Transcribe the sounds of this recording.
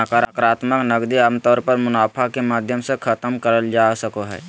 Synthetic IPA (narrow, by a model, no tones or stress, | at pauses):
əkəɾakɾaːt̪məknəɡd̪iəmt̪ɔːɾpəɾmʊnaːpʰakemaːd̪ʱjəmsekʰət̪əmkəɾəld͡ʒaːsəkoɦɛ̰ː